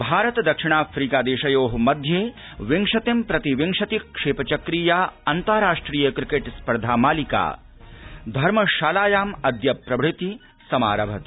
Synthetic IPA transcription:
bʱaːɾɐt̪d̪ɐkʂiɳ̃aːfɾiːkaːd̪eːʃɐjoːɦmɐd̪ʱjeː | ʋiŋʂɐt̪impɾɐt̪iʋiŋʂɐt̪iʂeːpɐt͡ʃɐkɾiːjaːɐnt̪ɐɾaːʂʈɾiːjɐkɾikeːʈspɐɾd̪ʱaːmaːlika̰ː | d̪ʱɐɾmɐʃaːlaːjaːmɐd̪jɐpɾɐbʱɽit̪i | sɐma̰ːɾɐbʱɐt̪i

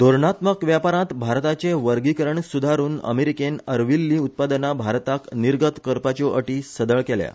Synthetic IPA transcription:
d̪̥oɾɳat̪məkʋjapaɾãt̪bʱaɾt̪at͡seʋəɾɡikəɾəɳsud̪ʱaɾuːnə̰meɾikenəɾʋilːiːut̪̚pad̪nabʱaɾt̪akniɾɡət̪kəɾpat͡ɕoʔəʈiːsəd̪əɭkelja̰

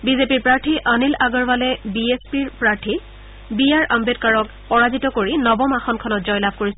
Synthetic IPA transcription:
bizepiɹpɹaɹtʰiʔanilaɡɔɹbalɛbiespiɹpɹaɹtʰi | bijaɹʔambetkaɹɔk | pɔɹazitɔkoɹinɔbɔmaxɔnkʰɔnɔtzɔjlab̚ʱkoɹisɛ

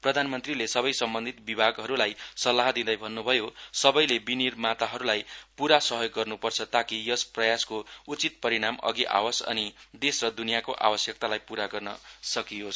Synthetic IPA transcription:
prʌd̪ʱanmʌnt̪rilesʌbʌjsʌmbʌnd̪ʱit̪bibʱaɡɦʌɾulajsʌlːaɦd̪ĩd̪ʌjbʱʌnːubʱʌjosʌbʌjlebinirmat̪aɦʌɾulajpuɾasʌɦjoɡːʌrnupʌrt͡sʰʌt̪akijʌsprʌjaskout͡sit̪̚pʌɾiɽ̃amʌ̰ɡiʔa̰wʌsʌ̰nid̪esrʌd̪unijakoʔa̰bʌsjʌk̚t̪alajpuɾaɡʌrnʌsʌkijos

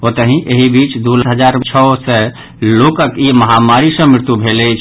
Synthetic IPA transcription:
ot̪əɦĩʔeɦibit͡ʃd̪uləɦəd͡ʒaɾt͡ʃʰɔsɛ | lokəkiməɦamaɾisə̃mɪɾt̪ubʱelɛt͡ʃʰ

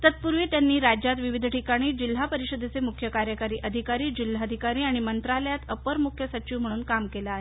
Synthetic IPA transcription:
t̪ət̪̚puɾʋeːt̪janːiːɾad͡ʑjat̪ʋiʋid̪ʱʈikaɽ̃iːd͡ʑil̤ːapəɾiɕəd̪ʱet͡semukʰjəkaɾjəkaɾiːʔəd̪ʱikaɾiːd͡ʑil̤ːaəd̪ʱikaɾiːaɽ̃imənt̪ɾaləjat̪əpəɾmukʰjəsət͡ɕiʋm̤əɽ̃uːnkamkelaːɦe

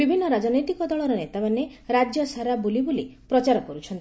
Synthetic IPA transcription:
bibʱinːɔɾad͡ʒɔnɔjt̪ikɔd̪ɔɭɔɾɔnet̪amaneɾad͡ʒjɔsaɾabulibulipɾɔt͡ʃaɾɔkɔɾut͡ʃʰɔnt̪i

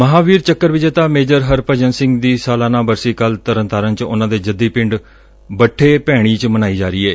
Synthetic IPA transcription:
məɦãːʋiːɾt͡ʃəkːəɾʋɪd͡ʒeːt̪ãːmeːd͡ʒəɾɦəɾpəd͡ʒənsɪŋɡd̪iːsaːlaːnãːbəɾsiːkəlt̪əɾə̃nt̪aːɾənt͡ʃʊ̰nãːd̪eːd͡ʒəd̪ːiːpɪ̃ɳɖ | bəʈʰːeːpɛːɽ̃iːt͡ʃmənaːiːd͡ʒaːɾiːɛː

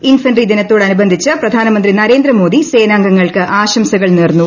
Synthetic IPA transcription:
infɐnrid̪inɐt̪ːo̞ːɽɐnubɐnd̪ʱit͡ɕːɨprɐd̪ʱaːnɐmɐnd̪rinɐɾeːnd̪ɾɐmo̞ːd̪ise̞ːnaːŋɡɐŋːɐɭkɨʔaːɕɐmsɐɣɐɭneːrnːu

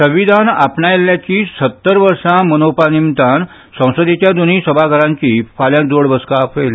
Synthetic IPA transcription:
səʋid̪ʱanapɳajeljat͡ɕiːsət̪ːəɾʋəɾʂãmənopanimt̪an | sə̃w̃səd̪et͡ɕjad̪oniːsəbʱaɡʱəɾãɲt͡ɕiːfaljãnd͡zoɽbəskapʋel

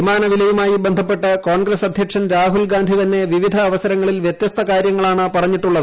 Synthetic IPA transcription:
imaːnɐʋilɐjumaːjibend̪ʱɐpːe̞ʈːɐkoːɳɡɾesɐd̪ʱjɐkʂɐnɾaːɦulɡaːnd̪ʱit̪ɐnːe̞ʋiʋid̪ʱɐːʋɐsɐɾɐŋːɐɭilʋjet̪jɐst̪ʰɐkaːɾjɐŋːɐɭaːɳɨpɐrɐɲːiʈːuɭːɐðɨ

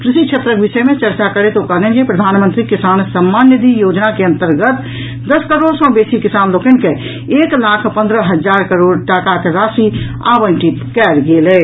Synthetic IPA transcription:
kɾɪʃikʃʰet̪ɾəkbɪʃəmẽt͡ʃəɾt͡ʃakəɾet̪okɐɦd̪ɛ̃nd͡ʒepɾəd̪ʱaːnmə̃nt̪ɾikɪsaːnsəmːaːnjəd̪ijoːd͡ʒnakeə̃nt̪əɾɡət̪ | d̪əskəɾoːɽsɔ̃ːbeːsikɪsaːnloːkənke | eːklaːkʰpə̃nd̪ɾəɦəd͡ʒaːɾkəɾoːɽʈakakeɾaːsia̰ːbənʈit̪kɛːɾɡeːlɛː

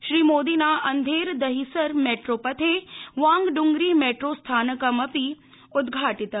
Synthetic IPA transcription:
ʃɾiːmoːd̪inaʔɐnd̪ʱeːɾd̪ɐɦisəɾmeːʈɾopɐt̪ʰeʋãːŋɡɖʊŋɡɾimeːʈɾost̪ʰaːnəkəmɐpi | ʊd̪ɡʱaːʈɪt̪

